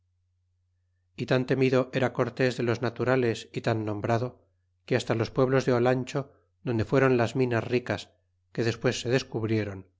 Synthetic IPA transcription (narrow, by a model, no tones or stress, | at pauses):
it̪ant̪e̞miðo̞ʔe̞ɾako̞ɾt̪e̞zðe̞lo̞znat̪uɾale̞sit̪anːõ̞mbɾaðo̞ | keast̪alo̞spwe̞β̞lo̞zðe̞olanʲt͡ʃo̞ | ðo̞nd̪e̞fwe̞ɾo̞nlazmĩnasrikas | ke̞ðe̞spwe̞sːe̞ðe̞skuβɾje̞ɾo̞n